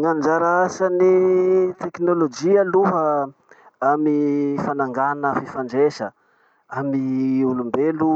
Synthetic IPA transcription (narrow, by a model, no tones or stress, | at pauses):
ŋand͡ʒaɾaasanit̪eknolod͡ʒialuɦə | amifanaŋɡanəfifaɳɖ͡ʐeʃə | amiulumbelu